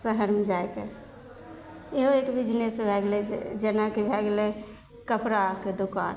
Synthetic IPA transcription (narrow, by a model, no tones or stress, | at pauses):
səɦəɾmed͡ʒaeke | eɦoekbid͡ʒnesebʱɛɡlɛd͡ʒenakebʱɛɡle | kəpɾaked̪okan